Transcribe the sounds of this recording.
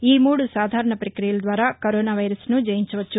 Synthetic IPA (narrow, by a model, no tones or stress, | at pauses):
iːmuːɽusaːd̪ʱaːɾɐɳɐpɾɐkɾijɐlɐd̪ʋaːɾaːkoɾoːnaːʋɐjɾɐsnud͡ʒɐjiɲt͡ʃɐʋɐt͡ʃːu